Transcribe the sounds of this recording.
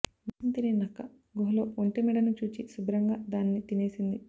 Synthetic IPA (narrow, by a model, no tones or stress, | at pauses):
mɐɐnt̪iɾenɐkːɐ | ɡuɦɐlo̞ːuɳʈemɛɽɐnut͡ʃuːt͡ʃisubɾɐŋɡaːd̪aːnːit̪ine̞ːsind̪i